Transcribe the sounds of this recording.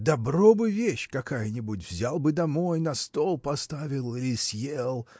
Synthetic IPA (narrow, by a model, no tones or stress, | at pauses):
d̪ɐbrobɨvʲeɕkɐkajənʲɪbutʲvzʲalˠbɨd̪ɐmojnɐst̪olˠpɐst̪avʲɪlˠɪlʲɪsjelˠ